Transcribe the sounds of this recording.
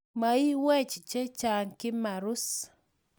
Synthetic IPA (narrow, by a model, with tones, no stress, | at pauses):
ma˨i˦wɛ˦t͡ʃt͡ʃe˦t͡ʃa˨ŋkɪ˦ma˨ɾu˦s